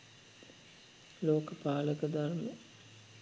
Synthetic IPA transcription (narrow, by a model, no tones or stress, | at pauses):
loːkəpaːləkəd̪armə